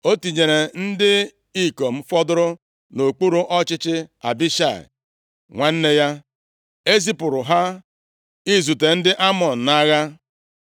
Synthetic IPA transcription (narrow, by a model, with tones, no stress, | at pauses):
o˦ti˨ɲe˨ɾe˨n̩˦dɪ˦ | i˦ko˨m̩˨fɔ˦dʊ˦ɾʊ˦ | no˨k͡pu˦ɾu˦ʔɔ˦t͡ʃɪ˦t͡ʃɪ˦a̰˨bi˦ʃa̰˨ɪ̰˨ | ŋʷa˦n̩˦ne˦ja˦ | e˦zi˦pʊ˨ɾʊ˨ɦa˦ | i˦zu˨te˨n̩˦dɪ˦ʔa˦mɔ˨n̩˨na˦ɣa˦